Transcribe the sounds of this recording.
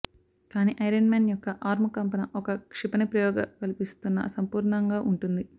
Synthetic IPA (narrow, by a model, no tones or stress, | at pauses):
kaːniːʔɐjɾɐnmaːnjɔkːɐʔaːɾmɐkɐmpɐnɐʔɔkɐkʂipɐnipɾɐjɔːɡɐkɐlipist̪unːɐ̰sɐmpuːɾɳɐŋɡaːʔuɳʈund̪i